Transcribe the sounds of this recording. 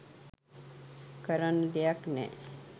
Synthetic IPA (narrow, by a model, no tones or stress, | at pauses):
kəɾənd̪ejaknɛ̰